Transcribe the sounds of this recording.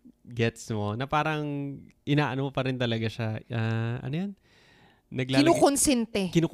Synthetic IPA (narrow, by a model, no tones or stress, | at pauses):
ɡɛt̪smo̞nɐpaːɾɐŋʔɪnaːʔɐnopɐɾɪnt̪ɐlɐɡaʃaʔaːɐ̰nojonː | ɐɡlaːukonsɛnt̪ɛkɪnuːk